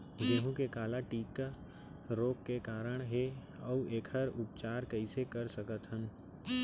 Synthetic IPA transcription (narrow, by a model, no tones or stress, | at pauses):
d͡ʒeːɦũkekaːlaʈiːt̪̚ka | ɾoːkːekaːɾəɽ̃ɦe | ɔueːkʰəɾʊpt͡ʃaːɾkɐɪsekəɾsəkət̪ɦən